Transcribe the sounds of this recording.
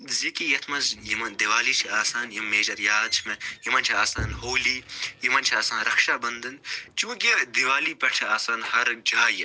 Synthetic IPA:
zikijɐt̪ʰmɐzjimɐnd̪iʋaːliːt͡ʃʰiaːsaːnjimːeːd͡ʒɐɾjaːd̪̚t͡ʃʰimɐjimɐnt͡ʃʰiaːsaːnɦoːliːjimɐnt͡ʃʰiaːsaːnɾɐkʃaːbɐnd̪ɐnt͡ʃũːkid̪ɪʋaːliːpɐʈʰaːsaːnhɐɾd͡ʒaːjɐ

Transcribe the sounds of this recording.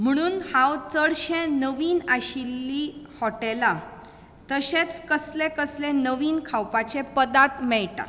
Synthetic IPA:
m̤əɽ̃uːnhãwt͡səɽɕẽnəʋiːnaɕilːiːhɔʈela | t̪əɕet͡skəslẽkəslẽnəʋiːnkʰawpat͡ɕepəd̪at̪mɛɭʈa̰

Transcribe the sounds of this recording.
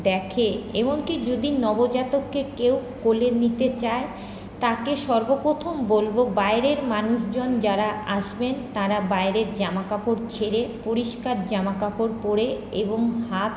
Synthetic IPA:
d̪ɛkʰeemoŋkid͡ʑod̪inɔbod͡ʑat̪okːekewkolenit̪et͡ɕae | t̪akeʃɔɾbopɾot̪ʰombolbobaeɾeɾmanuʃd͡ʑond͡ʑaɾaʔaʃbent̪aɾabaeɾeɾd͡ʑamakapoɾt͡ɕʰeɾepoɾiʃkaɾd͡ʑamakapoɾpoɾe | eboŋhat̪

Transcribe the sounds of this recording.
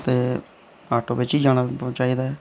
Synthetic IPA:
t̪eː | aːʈoːbɪt͡ʃiːd͡ʒaːɽ̃aːt͡ʃaːiːd̪aːɛː

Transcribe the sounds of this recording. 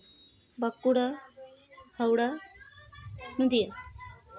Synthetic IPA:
bakːuɽa | hawɽa | məd̪ija

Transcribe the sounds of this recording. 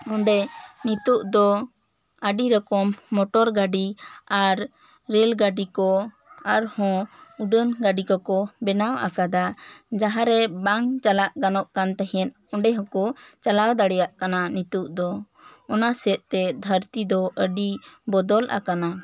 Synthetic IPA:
ɔɳɖɛnit̪uʔd̪ɔ | əɖiɾɔkɔmːɔʈɔɾɡaɖiaɾː | ɛlɡaɖikɔ | aɾhɔ̃uɖənɡaɖikɔkɔbɛnawʔa̰kad̪ad͡ʒaɦãɾɛbaŋt͡ʃalaʔɡanɔʔkant̪ɛɦɛ̃n | ɔɳɖɛɦɔ̃kɔt͡ʃalawd̪aɽɛjaʔkananit̪uʔd̪ɔ | ɔnasɛt̪̚t̪ɛd̪ʱəɾt̪id̪ɔʔəɖibɔd̪ɔlʔa̰kana

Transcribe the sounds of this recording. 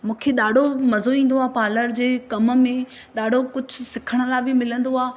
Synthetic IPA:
mũːkʰeɗaːɖʱomɐzoĩːn̆d̪oaːpaːləɾd͡ʑeːkɐməmẽ | ɗaːɖʱokʊd͡ʑʱʊ̆sɪkʰəɽ̃ə̆labʱɪmɪlə̃nd̪oaː

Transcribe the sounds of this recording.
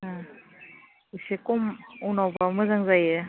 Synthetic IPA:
a | isekɔmunawbamɯzaŋzajɯ

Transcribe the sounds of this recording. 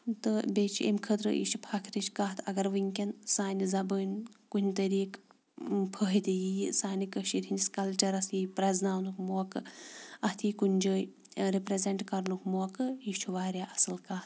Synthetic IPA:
t̪ɨbʲet͡ʃʰḛmkʰət̪ɾɨ̰ʔḭʃʰupʰɐkʰɾit͡ʃkaːɦt̪ʰɐɡɐɾʋɨŋʲkʲɐnsaːnʲizɐbəːnʲkunʲt̪ɐɾiːk | pʰəɦit̪ijisaːnikəʃiɾʲɦinskɐlt͡ʃɐɾɐsiːpɾɐznaːnukmoːkɨɐt̪ʰiːkunʲd͡ʒəːj | ɾipɾezeɳʈkɐɾnukmoːkɨiʃt͡ʃʰuʋaːɾʲjaːʔɐsɨlkaːt̪̚

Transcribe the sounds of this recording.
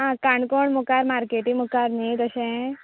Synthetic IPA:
ɦãkãɳkoɳmukaɾmaɾkeʈĩmukaɾnit̪əɕɛ̃

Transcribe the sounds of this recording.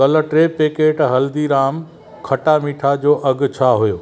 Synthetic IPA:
ɐləʈɾepeːkeːʈɦɐld̪iɾaːm | kʰɐʈamiːʈʰad͡ʑoːʔɐɡ̆t͡ɕʰaɦujoː

